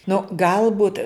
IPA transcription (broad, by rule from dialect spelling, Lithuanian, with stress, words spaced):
nʊ ˈɡɐlˠbʊt